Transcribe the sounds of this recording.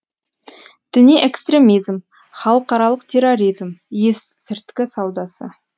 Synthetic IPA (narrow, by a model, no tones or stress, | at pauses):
d̪̥ɪnijʔekst̪ɾe̞mijzm | χɑlˠəqɑɾɑlˠəqt̪ʰe̞ɾo̞ɾijzmjessɪɾt̪kʲɪsɑwd̪ɑsə̰